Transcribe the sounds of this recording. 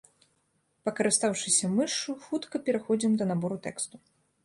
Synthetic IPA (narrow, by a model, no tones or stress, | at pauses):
pɐkɐɾɨst̪awʂɨsʲɐmɨʂuxut̪kɐpʲɛɾaxɔd͡zʲimd̪ɐnabɔɾut̪ɛ̰kst̪u